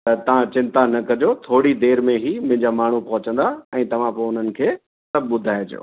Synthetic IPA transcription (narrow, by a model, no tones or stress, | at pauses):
ɐt̪ɐʋ̤ãt͡ɕɪ̃nt̪anɐkɐd͡ʑot̪ʰoːɽid̪eːɾmẽɦimʊ̃ɦɪ̃ɲd͡ʑamaːɳ̤upɐɦʊt͡ɕə̃nd̪aɛ̃ːt̪ɐʋ̤ãpoːʊn̤ənɪ̆kʰeː | sɐb̚ʱɓʊd̪ʱaːjd͡ʑo̰ː